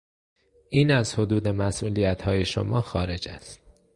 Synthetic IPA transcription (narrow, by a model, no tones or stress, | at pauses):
ʔiːnæzhod̪uːd̪e̞mæsʔuːlijæt̪ʰhɒːje̞ʃo̰mɒːxɒːɾe̞d͡ʒæ̰st̪̚